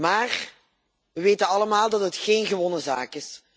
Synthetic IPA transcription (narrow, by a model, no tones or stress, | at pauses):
maːr | ʋəʋeːtənɑləmaːlˠdɑtɦətxeːnɣəʋɔnəza̰ːkɪs